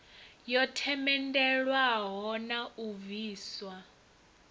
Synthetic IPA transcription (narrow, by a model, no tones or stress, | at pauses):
jɔtʰɛmɛndɛɺwaɦɔnauviːswa